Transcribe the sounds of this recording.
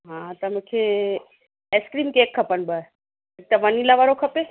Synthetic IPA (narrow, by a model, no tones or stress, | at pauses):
ɦãːt̪ɐmʊ̃kʰe | eskɾiːmkeːkʰːɐpənbə | ɐk̚t̪ɐʋɐnilaʋaɾokʰɐpe